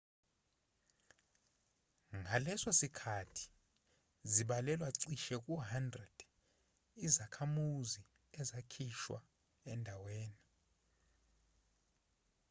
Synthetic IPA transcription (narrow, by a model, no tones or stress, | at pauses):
ŋʱalɛswasikʰatʰi̥ | ziɓalɛlwaǀiʃɛk̬ʼuɦandrɛd̥ | izakʰamuzi | ɛzakʰiʃwa̰ | ɛndʱaweːni